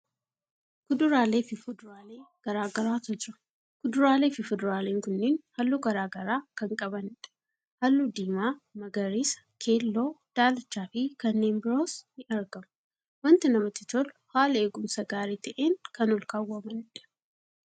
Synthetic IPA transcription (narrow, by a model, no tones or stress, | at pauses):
kʊd̪ʊɾaːleːfɪfʊd̪ʊɾaːleːɡ̥ɐɾaːɡɐɾaːt̪ʊd͡ʒɪɾɐ̥ | kʊd̪ʊɾaːle̞ːfɪfʊd̪ɐɾaːleːŋkʊnːɪnhɐlːuːɡɐɾaːɡɐɾaːkɐŋkʼɐbɐnɪᶑɐ̥ | hɐlːuːd̪iːmaːmɐɡɐɾiːsɐ̥ | kʰe̞ːlːo̞ːd̪̥aːlɐt͡ʃːaːfɪkɐnːe̞ːnbɪɾoːshɪʔɐɾɡɐmʊ | wɐnt̪ɪnɐmɐt̪ɪt̪ɔlʊhaːle̞ːɡʊmsɐɡaːɾiːt̪ɐʔeːŋkɐnɔlkaːwːɐmɐnɪᶑɐ̥